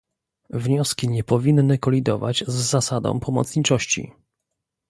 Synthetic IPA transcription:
vɲɔskʲiɲɛpɔvʲinːɘkɔlʲid̪ɔva̰d͡ʑzːasad̪ɔ̰̃w̃pʰɔmɔ̰t̪sɲit͡ʂɔɕt͡ɕḭ

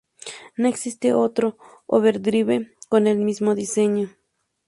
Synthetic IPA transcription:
noeksist̪eʔot̪ɾo | o̰βeɾd̪ɾiβekonelmismoðiseɲo

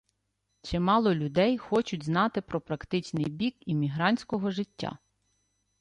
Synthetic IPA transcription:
t͡ʃɪmɑlˠɔlʲʊd̪ɛjxɔt͡ʃʊdʲznɑt̪ɪpɾɔpɾɐkt̪ɪt͡ʃnɪjbʲikimʲiɦɾɑnʲsʲkɔɦɔʒɪtʲːa̰

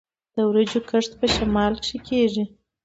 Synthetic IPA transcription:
d̪̥əwɾəd͡ʒokəʂt̪pəʃamɑlkʂikeʐi

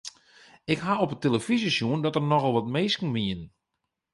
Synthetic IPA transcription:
ɪkɦaopəteləfizəsjuəndɔtərnɔxəlˠʋɔtmeːskn̩ʋiən

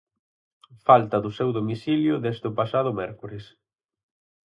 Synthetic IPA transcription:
falt̪ɐðʊsewðomisiljʊðɛzt̪ʊpasað̞ʊmɛɾkuɾɪs

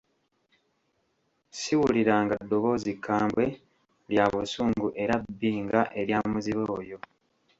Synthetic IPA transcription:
siwuliɾaːŋɡadːo̞βo̞zikʰːaːmbwe̞ | ljaːβusuːŋɡuʔe̞ɾabːiːŋɡaʔe̞ɾjaːmuziβeojo̞

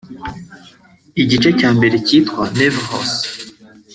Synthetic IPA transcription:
iɟit͡ʃecaːmbe̞ɾeciːtwanevho̰s

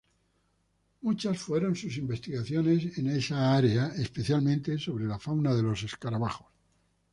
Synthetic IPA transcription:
mut͡ʃasfwe̞ɾo̞nsus̬imbe̞st̪iɣaθjo̞ne̞sene̞saaɾe̞aespe̞θjalmẽnt̪eso̞β̞ɾe̞lafawnaðe̞lo̞se̞skaɾaβaxo̥s

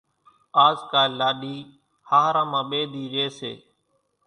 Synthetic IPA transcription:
aːzkaːlaːɗiː | haːɦɾãːmãːɓeːd̪ʱiːɾɪeːsḛː

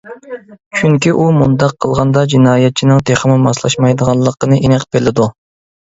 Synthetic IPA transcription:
t͡ʃʰyŋkʲiʔumund̪ɑqʰːəlˠʁɑnd̪ɑd͡ʒinɑːjɛt̪̚t͡ʃʰinɨŋt̪ʰeχəmɪmɑslˠɑ̰ʃmɑjd̪əʁɑnlˠːəqːənɨʔenæqbelɪd̪u

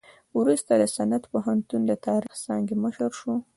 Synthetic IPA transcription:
wɾust̪ad̪əsanat̪poɦant̪und̪ət̪ɑɾixsɑŋɡeməʃəɾʃu

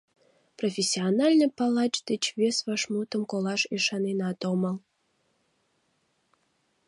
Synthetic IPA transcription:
profʲesʲionɑlʲnəpɑlɑt͡ʃd̪et͡ɕβesβɑʃmut̪əmkolɑʃiʃɑnenɑt̪oməl

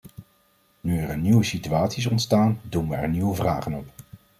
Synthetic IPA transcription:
nyɛrəniwəsityaːtsis̬ɔntstaːndumʋəɛ̰ɹniwəvra̰ːχənɔp

